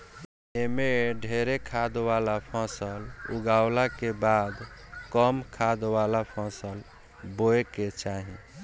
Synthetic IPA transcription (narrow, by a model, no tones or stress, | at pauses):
emeɖʱeɾekʰad̪walapʰə̃səluɡawlakebad̪kəmkʰad̪walapʰə̃səl | boeket͡ʃaɦḭ̃